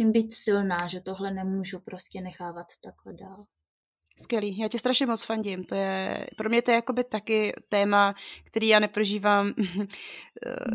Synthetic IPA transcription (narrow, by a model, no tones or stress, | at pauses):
iːmbiːt̪sɪlnaːʒɛt̪oɦlɛnɛmuːʒupɾoscɛnɛxaːvat̪ːaklɛdaːl | skvʲjɛliːjaːcɛst̪ɾaʃɲɛmot͡sfaɲɟɪmt̪o̞jɛ̰pɾo̞mɲɛt̪o̞jɛjako̞bɪt̪akɪt̪ɛːmakt̪ɛɾiːjaːnɛpɾoʒiːvaːm